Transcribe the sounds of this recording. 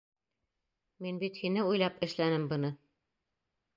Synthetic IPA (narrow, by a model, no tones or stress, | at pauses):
minbit̪hinɘujlˠɑpɘ̆ʃlænɘmbɯnɯ